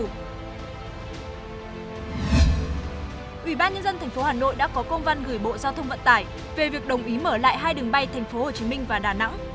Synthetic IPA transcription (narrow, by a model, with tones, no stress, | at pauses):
ʔwi˧˩ɓaː˧nɲə˧nzə˧nt̪ʰɛ˨˩ŋ̟fo˨˦haː˨˩no̰˧˨jɗa̰ː˧˥kɔ˨˦kə˧wŋ͡mva˧nɣɨː˧˩jɓo̰˧˨zaː˧wt̪ʰə˧wŋ͡mvə̰˧˨nt̪aː˧˩j | ve˨˩vi˨˩ək̚ɗə˨˩wŋ͡mʔi˨˦məː˧˩la̰ː˧˨jɦaː˧jɗɨ˨˩əŋɓa˧jt̪ʰa˨˩jŋ̟fo˨˦ho˧˩t͡ɕi˨˦mï˧ŋ̟vaː˨˩ɗaː˨˩na̰˧˥ŋ